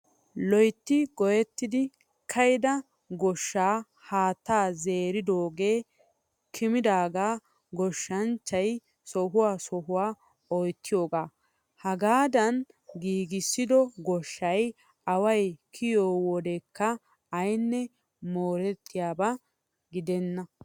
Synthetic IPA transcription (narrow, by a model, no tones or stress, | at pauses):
lɔjt̪ːɪɡɔjɛt̪ːɪd̪ɪ | kʰɐjd̪ɐ | ɡɔʃːaː | haːt̪ːaːze̞ːɾɪd̪oːɡe̞ː | kʰɪmɪd̪aːɡaː | ɡɔʃːɐnt͡ʃːɐj | sɔɦʊwaːsɔɦʊwaː | ɔjt̪ʰːɪjo̞ːɡaː | hɐɡaːd̪ɐn | ɡiːɡɪsːɪd̪ɔɡɔʃːɐj | ɐwɐjkʰɪjoːwɔd̪ɛkːɐː | jnːɛ | moːɾɛt̪ːɪjaːbɐ | ɡɪd̪ɛnːɐ